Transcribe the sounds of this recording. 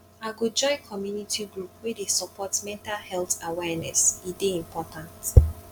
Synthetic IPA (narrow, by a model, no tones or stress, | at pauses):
aɡod͡ʒɔɪkʰɔmjunitʰiɡɹupwɛdesɔpʰɔtmɛ̃ntalhɛlθawɛnɛsideĩmpɔtʰãnt